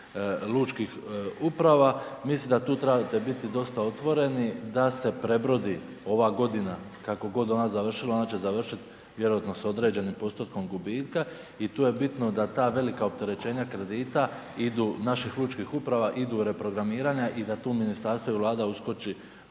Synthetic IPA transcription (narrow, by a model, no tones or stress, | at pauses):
lˠuːt͡ʃkixupɾaʋamislimd̪at̪uːt̪ɾebt̪e̞bit̪id̪o̞st̪ao̞t̪ʋo̞ɾe̞nid̪ase̞pɾe̞bɾo̞d̪i | o̞ʋaɡo̞d̪ina | kako̞ɡo̞d̪o̞nazaʋr̩ʃilˠao̞nat͡ɕe̞zaʋr̩ʃit̪ | ʋje̞ɾo̞ʋat̪no̞so̞d̪ɾe̞ːd͡ʑe̞nimpo̞st̪ot̪ko̞mɡubiːt̪ka | it̪uːje̞bit̪no̞d̪at̪aːʋe̞likaop̚t̪e̞ɾe̞t͡ɕe̞ːɲakɾe̞d̪iːt̪a | id̪uːnaʃixlˠuːt͡ʃkixupɾaʋaʔid̪uɾe̞pɾo̞ɡɾamiːɾaːɲaʔid̪at̪uːminist̪aɾst̪ʋoivʋlˠaːd̪ausko̞t͡ʃi